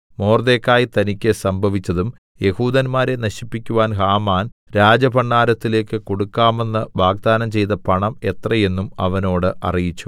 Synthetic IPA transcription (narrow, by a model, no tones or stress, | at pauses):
mo̞ːrd̪eːkːaːjit̪ɐnikʲːɨsɐmbʱɐʋit͡ɕːɐðum | je̞huːðɐnmaːɾe̞nɐɕipːikʲːuʋaːnɦaːmaːnɾaːd͡ʑɐbɐɳːaːɾɐt̪ːile̞ːkːɨko̞ɽukːaːme̞nːɨʋaːɡ̚d̪aːnɐmt͡ɕe̞jt̪ɐpɐɳɐme̞t̪rɐje̞nːumɐ̰ʋɐno̞ːɽɨʔɐ̰rijit͡ɕːu̥